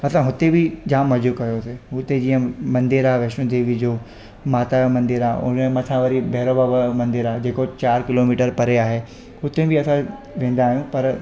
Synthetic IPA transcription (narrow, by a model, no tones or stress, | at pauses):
ɐsãɦʊt̪ebɪd͡ʑaːmɐd͡ʑukɐjoseɦʊt̪ed͡ʑĩːə̃mɐ̃nd̪iɾaʋeʃũd̪eːʋid͡ʑoː | maːt̪amɐ̃nd̪ɪɾaʊ̰nmɐt̪ʰãʋɐɾibʱeːɾobabmɐ̃nd̪ɪɾaːd͡ʑeːkot͡ɕaːɾkɪlomiːʈəɾpɐɾeaːɦe | ɦʊt̪ebʱɪɐsã | ʋẽːn̆d̪aːɦijũpɐɾ